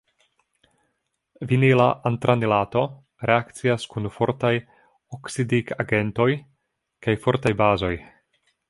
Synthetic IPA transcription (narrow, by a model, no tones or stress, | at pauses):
vinilaʔant̪ɾanilato̞ | ɾʔe̞akt͡siaskunfo̞ɾtaj | oksidikaɡe̞nto̞j | kajfo̞ɾtajbazo̞j